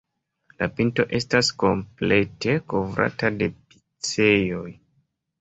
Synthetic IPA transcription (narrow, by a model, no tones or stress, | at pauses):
lapinto̞ʔe̞stasko̞mple̞te̞ko̞vɾa̰tade̞pi̥ | t͡se̞jo̞j